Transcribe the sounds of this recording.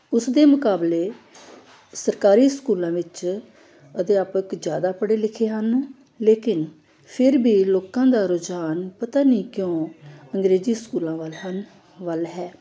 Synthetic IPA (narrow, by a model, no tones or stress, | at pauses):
ʊsd̪eːmʊkaːbleː | səɾkaːɾiːskuːlãːʋɪt͡ʃ | əd̪eːaːpəkd͡ʒjaːd̪aːpəɽeːlɪkʰeːɦən | leːkɪn | pʰɪɾbʱiːloːkãːd̪aːɾod͡ʒaːnpət̪aːnĩːkjõːəŋɡɾeːziːskuːlãːʋəlɦən | ʋəlɦɛː